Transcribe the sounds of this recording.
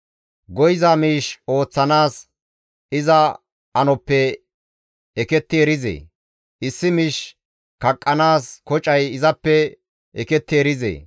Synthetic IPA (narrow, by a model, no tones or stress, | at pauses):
ɡɔjɪzamiːʃo̞ːt͡sːɐnaːs | ɪzɐ | ɐnɔpːɛ | ɛkɛt̪ːɪɛɾɪzḛː | ʔɪsːɪmɪʃ | kɐkʼːɐnaːskɔt͡ʃʼɐjɪzɐpːɛ | ʔɛkɛt̪ːɪɛɾɪzḛː